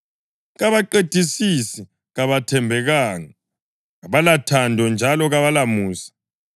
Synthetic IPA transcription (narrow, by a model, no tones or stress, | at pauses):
ɣaβaǃed̥ʱisisi | ɣaβatʰɛmbʱɛɣaːŋa | aβalatʰandʱɔnd͡ʒʱalɔɣaβalamuːsḁ